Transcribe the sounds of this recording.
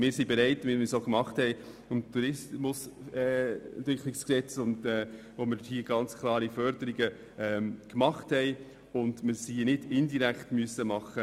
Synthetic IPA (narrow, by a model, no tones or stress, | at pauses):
mɪːɾsibeɾæɪtmɪmɪsoːkmɑχthɛɪ | ʊmtʰuɾɪsmʊsɛ̰ntʋɪkʰlɪksksɛt͡sʊndɛːʋomɪɾhiəɡ̥ɑnt͡skʰlˠɑːɾifœɾd̥əɾiɡə | ɛːmkmɑχthɛɪ | ʊndmɪsiːnɪdɪndiɾækχtmyəsəmɑχːə